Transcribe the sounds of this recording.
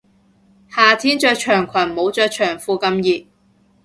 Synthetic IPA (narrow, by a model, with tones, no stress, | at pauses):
haː˨t̪ʰiː˥nt͡ʃœː˧jt͡ʃʰœː˨˩ŋkʷʰɐ˨˩nmo˨˧˥wt͡ʃœː˧jt͡ʃʰœː˨˩ŋfuː˧kɐ˧mjiː˨t̚